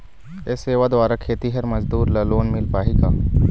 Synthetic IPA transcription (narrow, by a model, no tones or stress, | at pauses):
eseːʋad̪ʋaːɾakʰeːt̪iɦɐɾmɐzd̪uːɾlɐloːnmɪlpaːɦiɡaː